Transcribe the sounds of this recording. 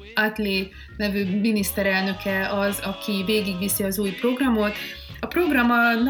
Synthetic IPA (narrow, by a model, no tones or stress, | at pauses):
at̪leː | nɛvøːminist̪ɛɾɛlnø̞kʰɛɒzɒkʰiveːɡiɡʋisiɒzuːjpro̞ɡrɒmo̞t̪ | ɒpro̞ɡrɒmɒn